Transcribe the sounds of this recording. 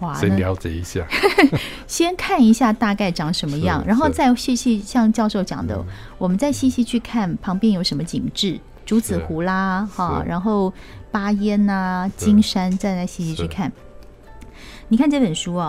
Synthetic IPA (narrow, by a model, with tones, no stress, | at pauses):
xwa˧˥jɑ˧˥ʊt͡ɕjɛ̰˨˩i˧˦ɕja̰˥˩ | ɕjɛ˥nkʰa˥˩ni˧˥ɕja˥˧t̪a˥˧ka˥˩ɪʈ͡ʂɑ˧˥ŋʂə˧˥nmə˧jjɑ˥˩ŋɻa˧˥nxo˥˧ʊt͡sa˥˧ɪɕi˥˧ɕi˥˧ɕjɑ˥˧ŋt͡ɕjɑ˥˧ʊʂo˥˩ʊt͡ɕjɑ̰˨˩ŋd̪ə̰˦ | wɔ˨˩mə˦nt͡sa˥˧ɪɕi˥˧ɕi˥˧t͡ɕʰy˥˧kʰa˥˩npʰɑ˧˥ŋpjɛ˥˧njo˧˥ʊʂə˧˥nmə˧t͡ɕḭ˨˩ŋʈ͡ʂɻ̩˥˩ | ʈ͡ʂu˧˥t͡sɹ̩˨˩xu˧˥la˥xɐ̰˥˩ɻa̰˧˥nxo˥˩ʊ | pa˥jɛ˥nə˧t͡ɕi˥ŋʂa˥nt͡sa˥˧ɪt͡sa˥˩ɪɕi˥˧ɕi˧t͡ɕʰy˥˩kʰa˥˩n | ni˨˩kʰa˥˧nʈ͡ʂe˥˩pə˨˩nʂu˥ɐ˩